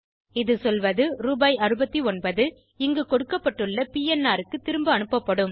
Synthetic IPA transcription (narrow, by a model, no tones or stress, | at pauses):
ɪðɯsɔlʋɐðɯɾuːbɐːjɐrɯbɐt̪ːiɔnbɐðɯ | ɪŋɡɯkɔɽɯkːɐpːɐʈːɯɭːɐpiːɛnːaːɾɯkːɯt̪ɪɾɯmbɯɐnɯpːɐpːɐɽɯm